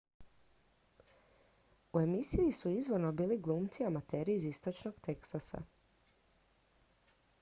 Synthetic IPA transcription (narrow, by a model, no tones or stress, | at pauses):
ue̞misiisuizʋo̞ɾno̞biːliɡlˠuːmt̪siamat̪e̞ːɾiːzist̪o̞t͡ʃno̞ɡt̪e̞ksasa̰